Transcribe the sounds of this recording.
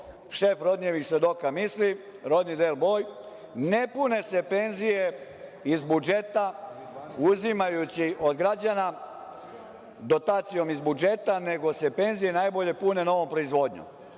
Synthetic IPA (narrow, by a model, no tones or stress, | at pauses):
ʃefɾo̞d̪neʋixsʋe̞d̪o̞kamisli | ɾo̞d̪nid̪elbo̞ːj | ne̞pune̞sepe̞nzije | izbud͡ʒe̞t̪a | uzimajut͡ɕiʔo̞d̪ɡɾad͡ʑana | d̪o̞t̪aːt̪sijo̞mizbud͡ʒe̞t̪ane̞ɡo̞sepe̞nzije̞najbo̞ʎe̞pune̞noʋo̞mpɾoizʋo̞d̪ɲṵm